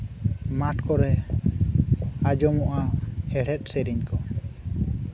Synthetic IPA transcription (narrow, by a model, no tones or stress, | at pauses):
maʈkɔɾɛ | ad͡ʒɔmɔʔaɛɽɛt̪̚ˀsɛɾiɲkɔ